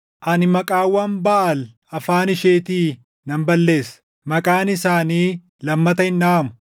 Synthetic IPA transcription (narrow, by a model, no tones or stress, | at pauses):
ʔɐnɪmɐkʼaːwɐmbaʔɐl | ɐfaːnɪʃe̞ːt̪iː | nɐmbɐlːe̞ːs | mɐkʼaːnɪsaːniː | lɐmːɐt̪ɐɪnːaːɐmʊ̥